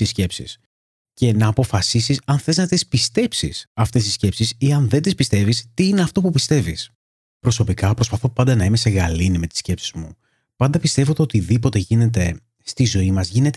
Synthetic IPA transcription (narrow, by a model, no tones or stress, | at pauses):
isce̞psḭs | ce̞nɐːpo̞fɐsisisɐnθe̞znɐt̪ispist̪e̞psḭsɐft̪e̞sisce̞psisiɐnðet̪ispist̪e̞vist̪iine̞ɐft̪o̞pupist̪e̞vis | pɾo̞so̞pikɐpɾo̞spɐθo̞pɐnd̪ɐnɐimese̞ɣɐlinime̞t̪i̥sce̞psizmu | pɐnd̪ɐpist̪e̞vo̞t̪eot̪iðipo̞t̪e̞ʝine̞t̪e̞ | st̪izo̞imɐzʝine̞t̪